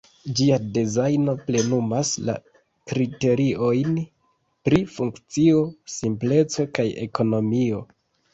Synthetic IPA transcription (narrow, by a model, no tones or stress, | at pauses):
d͡ʒiadezajno̞ple̞numasla̰ | kɾite̞ɾio̞jn | pɾifuŋkt͡sio̞simple̞t͡so̞kaje̞̰ko̞no̞mio̞